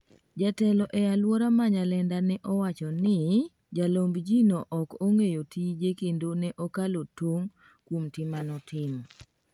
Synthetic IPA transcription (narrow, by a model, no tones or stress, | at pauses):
d͡ʒatɛlɔʔɛjalwɔɾamaɲalɛndanɛʔɔwat͡ʃɔnɪ | d͡ʒalombd͡ʒinoʔɔkoŋejotid͡ʒekendonɛʔɔkalotoŋ | kwomtɪmanɔtʰɪm